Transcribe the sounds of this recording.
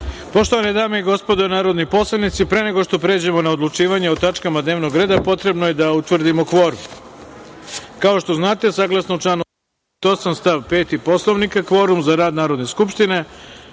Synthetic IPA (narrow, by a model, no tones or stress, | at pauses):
po̞ʃt̪o̞ʋaned̪aːmeiɡo̞spo̞d̪onaːɾo̞d̪nipo̞slˠanit̪sipɾe̞ne̞ɡo̞ʃt̪o̞pɾeːd͡ʑemo̞naod̪lut͡ʃiːʋaɲeot̪at͡ʃkamad̪neʋno̞ɡɾe̞ːd̪apo̞t̪ɾe̞bnoje̞d̪aut̪ʋr̩d̪imo̞kʋo̞ɾum | kao̞ʃt̪o̞znaːt̪e̞saɡlˠasnout͡ʃlanu | t̪o̞samst̪aʋpe̞ːt̪ipo̞slˠo̞ʋnikakʋo̞ɾumzaɾaːd̪naːɾo̞d̪neskupʃt̪ine̞